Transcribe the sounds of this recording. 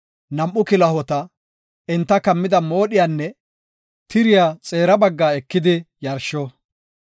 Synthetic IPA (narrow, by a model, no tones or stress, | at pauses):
nɐmʔːʊkɪlɐhɔt̪ɐ | ɛnt̪ːɐkɐmːɪd̪ɐmo̞ːɗɪjanːɛ | t̪ɪɾɪjat͡sʼe̞ːɾɐbɐɡːaːɛkːɪd̪ɪjɐɾʃɔ